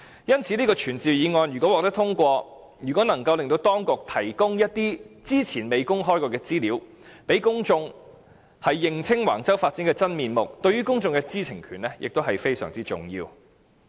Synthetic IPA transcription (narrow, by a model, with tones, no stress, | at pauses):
jɐ˥nt͡sʰiː˨˥liː˥kɔː˧t͡ʃʰyː˨˩nt͡siː˨wjiː˨˧ŋɔː˧njyː˨˩kɔ˨˥wɔː˨k̚t̪ɐ˥t̪ʰʊ˥ŋkʷɔː˧ | jy˨˩kʷɔ˨˥nɐ˨˩ŋkɐ˧wlɪ˨ŋt̪o˧wt̪ɔː˥ŋkʊ˨k̚t̪ʰɐ˨˩jkʊ˥ŋjɐ˥t̚t̪iː˥t͡siː˥t͡sʰiː˨˩nme˨˧jkʊ˥ŋɦɔː˥jkɔː˧kɛː˧t͡siː˥liː˨˥w | pe˨˥jkʊ˥ŋt͡sʊ˧ŋ | hɐ˨jːɪ˨ŋt͡sʰɪ˥ŋwa̰ː˨˩nt͡sɐ˥wfaː˧t̚t͡sɪ˨˥ŋkɛː˧t͡sɐ˥nmiː˨nmʊ˨k̚t̪ɵ˧ɥyː˥kʊ˥ŋt͡sʊ˧ŋkɛ˧t͡siː˥t͡sʰɪ˨˩ŋkʰyː˨˩nlɛ˥jʔɪ̰˨k̚t̪o˥wɦɐ˨jfe˥jsœ̰ː˨˩ŋt͡siː˥t͡sʊ̰˨ŋjḭː˧w